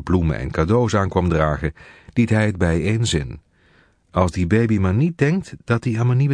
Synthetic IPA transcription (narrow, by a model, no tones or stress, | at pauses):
blumə̰ʔɛ̰nkadowsaːnkʋɑmdraːχəd̥itɦɛjəd̚bɛjeːnzɪn | ɑlˠzdibejbimaːɹnit̚dɛŋk̚td̥ɑtiaːmaniʋ